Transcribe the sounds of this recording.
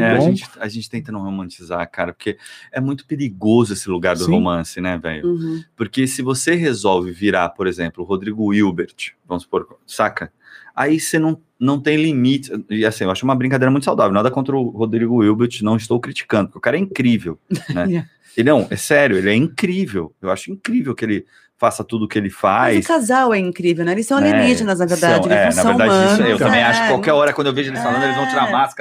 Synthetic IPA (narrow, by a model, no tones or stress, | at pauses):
ɛaʒẽnt͡ʃɪ̥ɐʒẽnt͡ʃɪ̥t̪ẽt̪ɐ̃nɐ̃howmɐ̃nt͡ʃizakaɾɐpoɾkeɛmũj̃t̪ʊ̥peɾiɡozʊesɪluɡaɾd̪ʊhomɐ̃sɪnɛvɛ̰ʎʊpoɾkesɪvoseɦezɔwvɪviɾapoɾezẽmplʊɦod̪ɾiɡʊiwbeɾt͡ʃvɐ̃mʊspoɾksakɐ | a̰isenɐ̃w̃ | nɐ̃w̃t̪ẽj̃limit͡ʃɪɪasĩewaʃʊɛumɐbɾĩŋkad̪eɾɐmũt̪ʊsawd̪avew̃nad̪ɐkõnt̪ɾʊhod̪ɾiɡʊiwbeɾt͡ʃɪnɐ̃w̃ɪst̪owkɾit͡ʃi̥kɐ̃nd̪ʊpkeʊkaɾɛĩkɾivewnɛ | ɪnɐ̃w̃ɛ̰sɛɾjʊelɪɛĩkɾivewewaʃʊĩkɾivewkɪelɪ | fasɐt̪ud̪ʊkɪelɪfajskazawɛĩŋkɾivewnɛelɪsɐ̃w̃alieniʒɪnɐz̬nɐveɾd̪ad͡ʒ̃wɛnɐṽveɾ̃d̪ad͡ʒmɐ̃ewt̪ɐ̃bẽj̃aʃʊkkɪkwawkɛɾɔɾɐkwɐ̃d̪oewveʒʊelɪsfalɐ̃nd̪ʊelɪzvɐ̃w̃t͡ʃiɾaɾmaskɐɾɐ